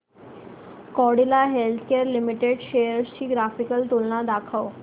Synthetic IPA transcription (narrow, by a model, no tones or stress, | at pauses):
kɔɽilaɦelt̪ʰkeəɾlimiʈeɖɕejəɾsɕiːɡɾafikəlt̪olnad̪akʰaw